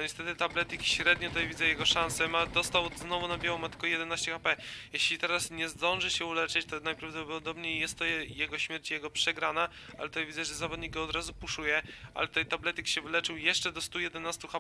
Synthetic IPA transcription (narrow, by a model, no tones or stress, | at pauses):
nɔɲɛst̪ɛt̪ɘt̪ablɛt̪ikʲiɕɾɛd̪ɲɔt̪t̪jajvʲidzɛjɛɡɔʂansɛmad̪ɔst̪awznɔvunabʲjawɔmat̪ɘ̥kɔjɛd̪ɛnaɕt͡ɕɛxapɛjɛɕlʲit̪ɛɾasɲɛzd̪ɔ̃nʐɘɕɛulɛt͡ʂɛt͡ɕt̪ɔnajpɾavd̪ɔɔd̪ɔbɲejjːɛst̪ːɔɛjɛɡɔɕmʲjɛɾt͡ɕjɛɡɔpʂɛɡɾana | a̰lɛt̪ut̪ajvʲid̪zɛʐɛzavɔd̪ɲik̚ɡɔːd̪ɾazupuʂujɛʔa̰lɛt̪ut̪ɛjt̪ablɛt̪ikʲɕɛvɘlɛt͡ʂɘwjɛʂt͡ʂɛd̪ɔst̪ujɛd̪ɛnast̪uxa